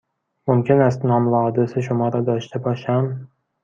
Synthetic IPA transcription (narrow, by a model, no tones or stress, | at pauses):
mʊmkʲʰɪnast̪nɒmlɒd̪ɪsɪʃʊmɒɾad̪ɒʃt̪ʰɪbɒʃam